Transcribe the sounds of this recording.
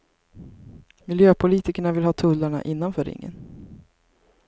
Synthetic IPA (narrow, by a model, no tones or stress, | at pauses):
mɪljøːpʰʊliːt̪ɪkəɳavɪlhɑːt̪ʰɵlːaɳa̰ʔɪnːanfœːɾɪ̰ŋːə̰n